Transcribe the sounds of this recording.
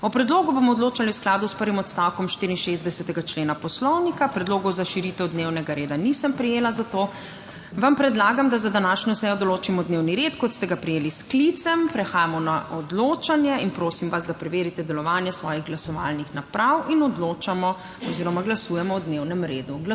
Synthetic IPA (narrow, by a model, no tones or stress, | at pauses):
ɔpɾɛd̪loːɡubomɔːd̪loːt͡ʃaliuwsklaːd̪uspəɾʋimɔt̪st̪awkɔmʃt̪iɾinʃezd̪ɛsɛt̪ɛɡat͡ʃleːnapɔslɔwnikapɾɛd̪loːɡɔwzaʃiɾiːt̪ɛwd̪newnɛɡaɾeːd̪anisəmpɾijeːlazat̪o | ʋampɾɛd̪laːɡamd̪azad̪anaːʃɲɔsɛjɔd̪ɔloːt͡ʃimɔd̪newniɾeːt̪kɔt̪st̪ɛɡapɾijeːlisklit̪sɛmpɾɛxaːjamɔnaʔɔd̪loːt͡ʃanjɛinpɾoːsimʋazd̪apɾɛʋeːɾit̪ɛd̪ɛlɔʋaːnjɛsʋɔ̰ːjiɣɡlasɔʋa̰lnixnapɾawinɔd̪loːt͡ʃamɔ | ɔziːɾɔmaɡlasuːjɛmɔwd̪newnɛmɾeːd̪uɡl